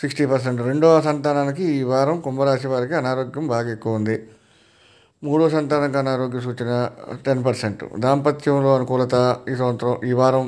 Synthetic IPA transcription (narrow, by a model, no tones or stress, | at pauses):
siksʈiːpɐɾs̬eɳʈɾe̞ɳɖoːsɐnt̪aːnaːnikiiːʋaːɾɐmkumbɐɾaːs̬iʋaːɾikiɐnaːɾoːɡjɐmbʱaːɡɐekːuʋɐund̪i | muːɽoːsɐnt̪aːnɐŋkiɐnaːɾoːɡjɐs̬uːt͡ʃinɐʈenp̬ɐɾseɳʈṵd̪aːmpɐt̪jɐmlo̞ːɐnukuːlɐt̪aːiːs̬ɐːnt̪ɾɐmiːʋaːɾɐm